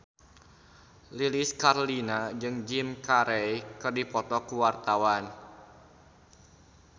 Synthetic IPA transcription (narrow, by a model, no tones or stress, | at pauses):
liliskaɾolinad͡ʒɨŋd͡ʒimkaɾɛjkɨrdipɔt̪ɔkuwart̪awan